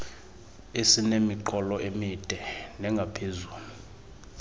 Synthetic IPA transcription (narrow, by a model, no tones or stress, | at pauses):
esinemiǃɔlɔʔemid̥ʼʱɛnɛŋɡʱapʰezuːlu